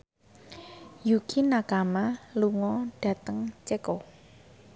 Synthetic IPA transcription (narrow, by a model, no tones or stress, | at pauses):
jukʰinakamaluŋɔɖ̥ä̤t̪əŋt͡ʃekɔ